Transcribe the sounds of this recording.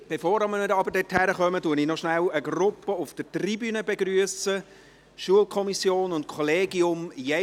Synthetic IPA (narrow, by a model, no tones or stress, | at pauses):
b̥efoːɾɑmənədəɑbəɾdɛthæɾəχœmətuənɪnɔʃnæləɡrʊpːəʊfd̥ətribyːnəbeɡɾyəsə | ʃuəlkʰɔmisjoːnʊntkʰɔleːɡiʊmje